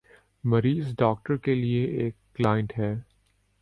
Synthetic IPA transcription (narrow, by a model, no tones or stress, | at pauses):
mɐɾiːzɖɔːk̚ʈəɾkelieʔeːkːlaːɪə̃ɳʈɦɛː